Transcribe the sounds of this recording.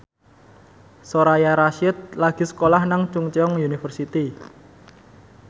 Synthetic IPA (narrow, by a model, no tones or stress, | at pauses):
soɾajaɾaʃɪt̪̚laɡ̥i̤sə̥kolahnaŋt͡ʃuŋt͡ʃɔŋjunifərsit̪i